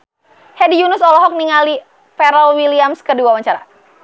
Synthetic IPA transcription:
hɛdijunʊsɔlɔɦɔk̚niŋali | fɛɾɔlwiliamskəduawaɲt͡ʃaɾa

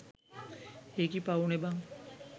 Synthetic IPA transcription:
ekipaunebaŋ

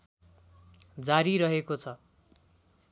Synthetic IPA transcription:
d͡zaɾiɾʌɦekot͡sʰʌ

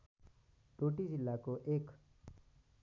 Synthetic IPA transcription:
ɖoːʈizɪlːakoʔeːk

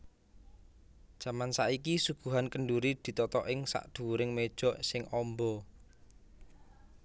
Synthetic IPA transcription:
d̥ʒ̥a̤mansaʔikisuɡ̥ṳɦankəɳɖuɾid̪̥i̤t̪ɔt̪ɔʔɪŋsa̰ʔd̪̥ṳɾɪŋmed̥ʒ̥ɔʔsɪŋɔmbɔ

